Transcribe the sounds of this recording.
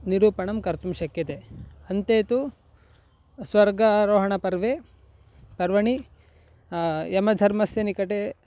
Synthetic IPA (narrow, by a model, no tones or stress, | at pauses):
niɾuːpɐɳɐmkɐɾt̪umʃɐkjɐt̪eɐnt̪eːt̪u | sʋɐɾɡɐɾoːɦɐɳɐpɐɾʋe | pɐɾʋɐɳi | ɛmɐd̪ʱɐɾmɐsjɐnikɐʈe